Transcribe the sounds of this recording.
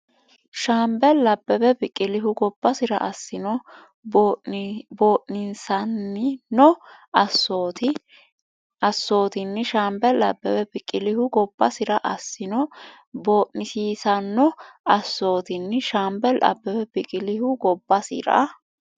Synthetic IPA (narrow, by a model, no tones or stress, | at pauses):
ʃaːmbɛlːɐbːɛbɛbɪkʼːɪlɪɦʊɡɔbːɐsɪɾɐ̰ʔɐsːɪnɔ | bo̞ːʔnɪnsɐnːɪnɔɐsot̪ɪ | ɐsːo̞ːt̪ɪnːɪʃaːmbɛlɐ̰bːɛbɛbɪkʼːɪlɪhʊɡɔbːɐsɪɾɐʔɐsːɪnɔ | boːʔnɪsiːsɐnːɔɐsːo̞ːt̪ɪnːʃaːmbɛlʔɐ̰bːɛbɛbɪkʼɪlɪhʊɡɔbːɐsɪ̰ɾɐ̰